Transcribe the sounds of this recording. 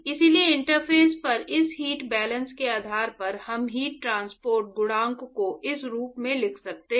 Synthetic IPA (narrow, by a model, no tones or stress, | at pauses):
ɪsilieɪ̃ɳʈəɾpʰeːspɐɾɪsɦiːʈbɛːlə̃nskeaːd̪ʱaːɾpɐɾhɐmɦiːʈ̚ːɾãːnspoːɾʈ̚ɡʊɽãːŋkkoʔɪsɾuːpmẽlɪkʰsɐk̚t̪e